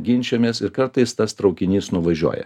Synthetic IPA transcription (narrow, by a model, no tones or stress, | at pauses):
ɡʲɪnʲt͡ʃʲɛmʲeːsɪɾkɐɾt̪ɐɪst̪ɐst̪ɾɒʊkʲɪnʲiːsnʊʋɐʒʲṵɔːjɛ̰